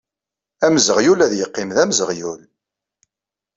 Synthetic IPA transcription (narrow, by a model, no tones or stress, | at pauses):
æmzəʁjulæðjəqːɪmðæmzəʁjul